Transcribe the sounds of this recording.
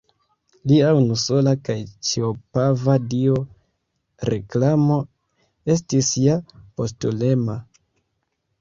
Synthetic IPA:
liaunuso̞lakajt͡ʃiopavadio | ɾe̞klamo̞ | e̞stisjapo̞stule̞ma

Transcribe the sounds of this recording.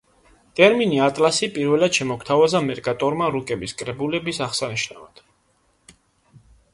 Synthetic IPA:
t̪ʼɛɾminiat̪ʼlasipʼiɾvɛlad̪̥ʃɛmɔkʰt̪ʰavazamɛɾɡat̪ʼɔɾmaɾukʼɛbiskʼɾɛbulɛbisaχsaniʃna̰vad̪̥

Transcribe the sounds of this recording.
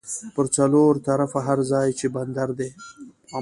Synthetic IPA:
pəɾt͡saloɾt̪aɾafaɦaɾzɑjt͡ʃeband̪aɾd̪e

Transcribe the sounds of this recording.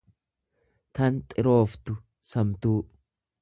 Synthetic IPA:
t̪ɐnt̪ʼɪɾo̞ːft̪ʊ | sɐmt̪uː

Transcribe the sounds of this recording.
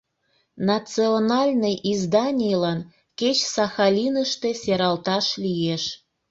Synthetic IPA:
nɑt͡sionɑlʲnɨjizd̪ɑnʲijlɑn | ket͡ɕsɑxɑlʲinəʃt̪esʲeɾɑlt̪ɑʃlʲijeʃ

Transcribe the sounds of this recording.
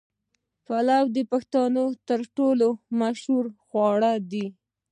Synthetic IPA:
palawd̪əpaxt̪ɑnot̪əɾʈolomaʃhuɾxwɑɽad̪i

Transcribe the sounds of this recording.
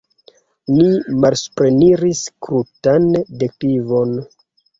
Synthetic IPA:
nimalspɾeniɾiskɾutandek̚ivo̞n

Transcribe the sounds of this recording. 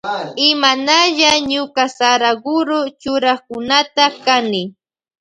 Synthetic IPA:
ɪmanaʎaɲʊkasaɾaɡʊɾʊt͡ʃʊɾaχkʊnat̪akanɪ

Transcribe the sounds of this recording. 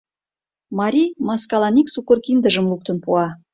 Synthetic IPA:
mɑɾʲijmaskalˠanʲiksukorkʲind̪ɪʒəmlˠuk̚t̪ənpʰuɑ

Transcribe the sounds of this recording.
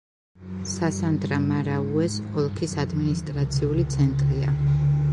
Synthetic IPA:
sasand̪ɾamaɾauɛsqɔlˠkʰisad̪minist̪ʼɾat̪sʰiulit̪sʰɛnt̪ʼɾia

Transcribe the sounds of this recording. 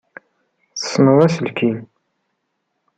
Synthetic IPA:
θə̥sːnəðˤæsəlkʰin

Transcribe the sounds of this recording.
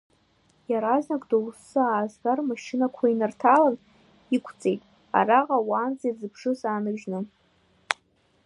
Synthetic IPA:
jaɾaznakʼdowsːɨaːzɡarmaʃɪnakʷʰainartʰalan | ikʷʰt͡sʼe̞jtʼ | a̰raqʼawaːnd͡zejd͡zɨbʰʂɨsaːnɨʒnɨ

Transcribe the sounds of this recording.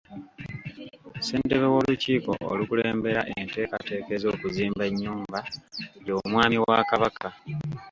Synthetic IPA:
se̞ːnte̞βewo̞luciːko̞̰ʔo̰lukuleːmbe̞ɾaʔente̞ːkate̞ːke̞zo̞ːkuziːmbe̞ɲːuːmbajo̞ːmwaːmiwakaβaka

